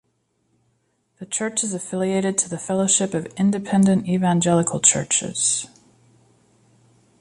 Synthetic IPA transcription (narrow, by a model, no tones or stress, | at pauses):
ðɨt͡ʃʰɜ˞t͡ʃɨzɨfɪlˠieɪɾɨd̚tʰəðɨfɛlˠoʊʃɪpʌvɪ̃ndɨpʰɛ̃ndɨ̃ntivæ̃nd͡ʒɛlˠəkʰl̩ˠt͡ʃʰɜ̰˞t͡ʃɪ̰z̥